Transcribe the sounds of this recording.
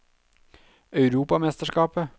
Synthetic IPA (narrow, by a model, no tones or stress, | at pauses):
ʔœʉɾuːpɑmɛst̪əʂkɑːpə